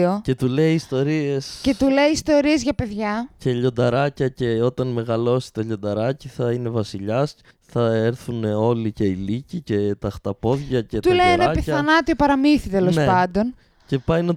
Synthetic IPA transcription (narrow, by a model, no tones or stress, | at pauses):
o̞ce̞t̪ule̞iːst̪o̞ɾie̞sce̞t̪ule̞iːst̪o̞ɾie̞zʝɐpe̞ðʝɐce̞ʎo̞nd̪ɐɾɐcɐce̞o̞t̪ɐnme̞ɣɐlo̞si̥t̪oʎo̞nd̪ɐɾɐciθɐine̞vɐsiʎɐs | θɐeɾθuno̞lice̞ilicice̞t̪ɐxt̪ɐpo̞ðʝɐcet̪ulejenɐɐpiθɐnɐt̪io̞pɐɾɐmiθit̪e̞lo̞sepɐnd̪o̞n | ce̞pɐjnɐ